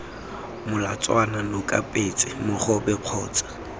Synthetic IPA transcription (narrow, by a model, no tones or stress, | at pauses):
mʊla̰t͡sʼwananʊkʼapʼet͡sʼɪmʊχɔbɛq͡χʰɔːt͡sʼḁ